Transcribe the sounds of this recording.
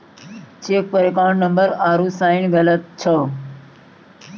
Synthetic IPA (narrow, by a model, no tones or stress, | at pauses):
t͡ʃeːk̚pəɾekaːɳnəmbəɾaːɾuːsaːɪnɣələt̪̚t͡ʃʰəː